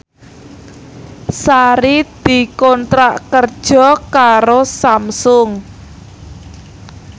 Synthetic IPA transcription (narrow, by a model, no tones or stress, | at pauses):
saɾid̪̥i̤kɔnt̪ɾaʔkərd̥ʒ̥ɔ̤kaɾosamsʊŋ